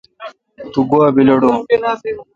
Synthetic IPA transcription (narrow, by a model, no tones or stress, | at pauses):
t̪uɡoabilɐɽu